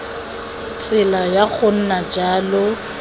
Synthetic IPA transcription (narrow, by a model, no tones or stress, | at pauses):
t͡sʼɪlajaɣʊn̩nad͡ʒaːlʊ